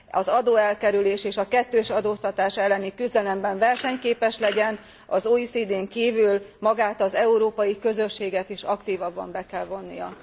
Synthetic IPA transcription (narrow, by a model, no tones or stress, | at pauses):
ɒzɒd̪oːɛlkɛɾyleːʃeːʃɒkɛt̪ːøːʃɒd̪oːst̪ɒt̪aːʃɛlːɛnikyzd̪ɛlɛmbɛɱvɛrʃɛɲkeːpɛʃlɛɟɛn | ɒzoisiːd̪eːŋkiːvylmɒɡaːt̪ɒzɛuɾoːpɒjikø̞zø̞ʃːeːɡɛt̪iʃɒkt̪iːvɒbːɒ̰mbɛkɛlvo̞nːḭjɒ̰